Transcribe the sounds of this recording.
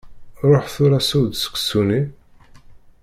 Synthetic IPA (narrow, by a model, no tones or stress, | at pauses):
ɾˤoħθʊɾæsud̪sə̥ksuni